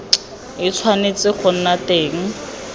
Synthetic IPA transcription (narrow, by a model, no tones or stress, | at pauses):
ɪt͡sʰwanet͡sɪk͡xʰʊn̩nateːŋ̩